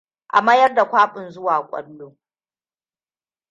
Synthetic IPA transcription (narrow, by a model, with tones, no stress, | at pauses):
ʔa̰˨ma˦jɐ˦rda˨kʷaː˦ɸʼɪ˨nzʊ˦waː˨kʷʼɐ̰˦lːoː˦